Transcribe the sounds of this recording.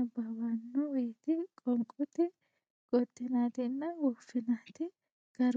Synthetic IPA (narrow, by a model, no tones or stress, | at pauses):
ɐbɐwanːɔweːt̪ɪkʼɔŋkʼʊt̪ɪ | ɡ̥ɔd̪ːɪnaːt̪ɪnːɐwɔfːɪnaːt̪ɪ | ɡ̥ɐɾ